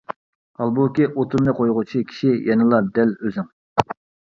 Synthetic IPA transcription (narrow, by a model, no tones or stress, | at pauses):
ɑlˠbukʲiʔot̪ʰʊɾmnɨqʰojʁʊt͡ʃʰikʲʰi̥ʃijʔɛnɨlˠɑɾd̪ɛløzɪŋ